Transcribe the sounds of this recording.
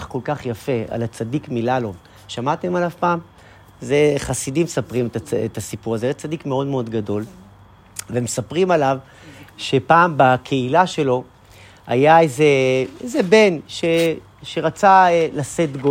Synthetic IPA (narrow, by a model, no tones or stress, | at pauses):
χko̞lkaχjafe̞a̰lat͡sadikmilalo̞v | ʃamat̪emalavpaːm | zeχasidimsapʁimetaḛtasipuʁazeajat͡sadikmeo̞dmeo̞dɡado̞l | vemesapʁimalav | ʃe̞paːmbakʰeilaʃe̞lo̞ | a̰jaeze̞ezebe̞nʃe | ʃe̞ʁat͡salasetɡo